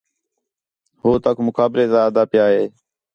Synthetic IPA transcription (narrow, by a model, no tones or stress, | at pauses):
hoːt̪əkmʊkʰaːbɾeːzaːd̪aːpjaːɦeː